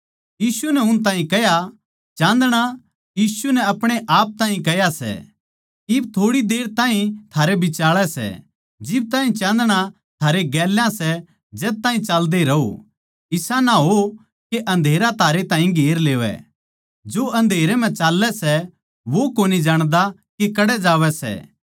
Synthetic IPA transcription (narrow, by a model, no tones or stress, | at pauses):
jiːsunɛɦʊñt̪̬ãːĩkɛɦja | t͡ʃãːnd̪ɽ̃a | jiːsunɛɐpɽ̃eʔaːp̚t̪ãːĩkɛjasɛ̰ | ɪbt̪ʰoːɽid̪eːɾt̪ãːĩt̪ʰaːɾebʱɪt͡ʃaːɭɛsɛ̰ | d͡ʒɪb̚t̪aːĩt͡ʃãːnd̪ɽ̃a | t̪ʰaːɾeɡɛːljãsɛ | d͡ʒɛːt̪aːĩt͡ʃaːld̪eɾɐo̰ | ɪsanaɦo | keʔɐ̃nd̪ʱeːɾat̪ʰaːɾet̪ãːĩɡʱeːɾleːʋɛ̰ | d͡ʒoʔɐ̃nd̪ʱeːɾɛmɛ̃t͡ʃaːlːɛsɛ | ʋokoːnid͡ʒaːɽ̃d̪akekɐɽɛd͡ʒaːʋɛsɛ̰